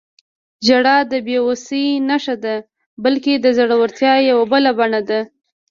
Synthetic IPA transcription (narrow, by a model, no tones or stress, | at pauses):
d͡ʒaɽɑd̪əbeosənaʂad̪a | bəlked̪əzaɽawəɾt̪jɑjawabəlabaɳad̪a